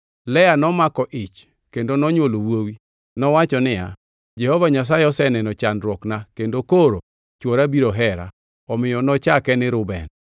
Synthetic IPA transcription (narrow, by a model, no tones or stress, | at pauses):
lɛanɔmakɔʔɪt͡ʃ | kendonɔɲwolowowi | nɔwat͡ʃɔnɪja̰ | d͡ʒɛhɔvaɲas̬ajɪɔsɛnɛnɔt͡ʃanɾwɔknakendokoɾo | t͡ʃwɔɾabiɾoɦɛɾa̰ | ɔmɪjɔnɔt͡ʃakɛnɪɾʊbɛ̰n